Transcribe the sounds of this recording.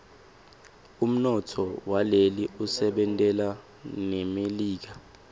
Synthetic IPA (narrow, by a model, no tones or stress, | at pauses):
um̩nɔtʰɔwaleliʔusɛɓɛntʼɛla | nemeliːk̬a